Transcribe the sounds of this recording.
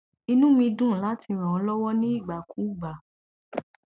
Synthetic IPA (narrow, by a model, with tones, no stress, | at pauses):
i˧nũ˦mĩ˧dũ˦˨la˨˦ti˧ɾ̃ɔ̃˨ɔ̃˨˦lɔ˦wɔ˦nĩ˦i˦˨ɡ͡ba˨ku˨˦˨ɡ͡ba˨